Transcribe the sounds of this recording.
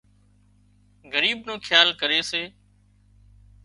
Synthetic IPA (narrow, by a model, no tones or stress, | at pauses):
ɣəɾiːbnõːkʰjaːlkəɾeːseː